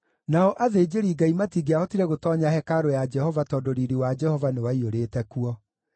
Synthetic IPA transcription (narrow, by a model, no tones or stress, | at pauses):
naɔʔaðeːd͡ʒeɾiːɡaimatiɡeaɔtiɾeɣotɔɲahɛkaɾojad͡ʒɛhɔvatɔdoɾiɾiwad͡ʒɛhɔvanewaioɾetɛkuɔ